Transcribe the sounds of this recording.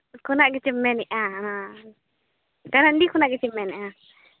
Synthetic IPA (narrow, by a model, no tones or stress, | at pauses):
kunãʔkit͡ʃimẽnĩʔãnã | kanãndikunãkit͡ʃimẽnĩʔã